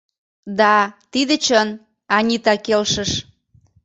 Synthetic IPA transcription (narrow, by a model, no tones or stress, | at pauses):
d̪ɑt̪id̪et͡ɕən | ɑnʲit̪ɑkelʃəʃ